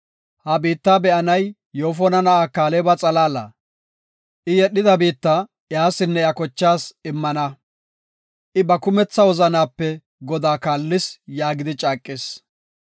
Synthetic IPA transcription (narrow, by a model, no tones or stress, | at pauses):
hɐbiːt̪ːaːbɛʔɐnɐj | joːfɔnɐnɐʔaːkaːlɛːbɐt͡sʼɐlaːlɐ̰ | ʔɪjɛɗɪd̪ɐbiːt̪ːɐ | jaːsɪnːɛjɐkɔt͡ʃːaːsɪmːɐnɐ | ʔɪbɐkʊmɛt͡sːɐwɔzɐnaːpːɛ | ɡɔd̪aːkaːlːɪsjaːɡɪd̪ɪt͡ʃʼaːkʼːɪs